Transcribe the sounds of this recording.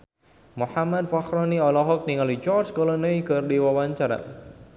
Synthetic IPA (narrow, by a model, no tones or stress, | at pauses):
muħamad̪̚faxɾɔniɔlɔɦɔk̚niŋalit͡ʃɔrt͡ʃkɔlɔnəikərdiwawaɲt͡ʃaɾa̰